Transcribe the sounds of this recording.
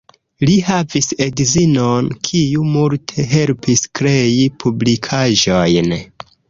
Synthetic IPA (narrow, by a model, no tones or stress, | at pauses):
lihavisedzinonkʰijumultʰe̞ɦe̞lpʰiskɾe̞ipʰublikʰaʒojn